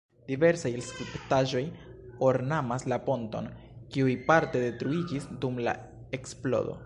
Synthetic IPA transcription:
d̥ive̞ɾsajskɾiptaʒo̞jo̞ɾnamaslapo̞nto̞̰n | kiujpaɾte̞de̞tɾuid͡ʒisdumla̰ | e̞ksplo̞̰do̞̰

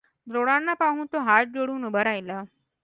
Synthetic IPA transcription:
d̪ɾoɽanːapaɦuːnt̪oɦaʈ̚d͡ʑoɽuːnubʱəɾajla

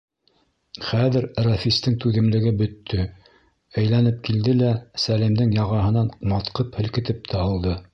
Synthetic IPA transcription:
χæðɘ̆ɾrɑfist̪ɘŋt̪ʉðɘ̆mlɘ̆ɡɘbɵ̆t̪ːɵ | æjlænɘp̚kild̪ɘlæsælimd̪ɘŋjɑʁɑɦɤ̆nɑnmɑt̪qɤphɘ̆lkɘ̆t̪ɘp̚t̪ʰæɑlˠd̪ɤ

